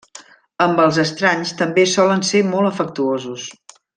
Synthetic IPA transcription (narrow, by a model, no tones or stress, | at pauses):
əmbəlˠzəst̪ɾaɲst̪əmbesɔlənsemɔlˠəfək̚t̪uozus